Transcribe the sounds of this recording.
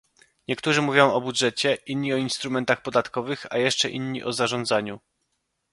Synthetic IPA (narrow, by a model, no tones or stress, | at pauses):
ɲɛkt̪uʐɘmuvʲjɔ̃w̃ɔbudʐɛt͡ɕɛʔinɲiɔinst̪ɾumɛnt̪axpɔd̪at̪kɔvɘxa̰jɛʂt͡ʂɛʔḭnɲiʔɔzaʐɔ̃nd̪zaɲu